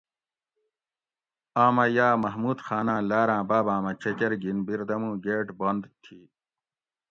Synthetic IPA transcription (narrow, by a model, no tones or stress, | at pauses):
aːmɐjaːmɐɦmuːd̪xaːnãːlaːɾãːbaːbãːmɐt͡ɕɐkɐɾɡinbiɾd̪ɐmũːɡeːʈbond̪t̪ʰiː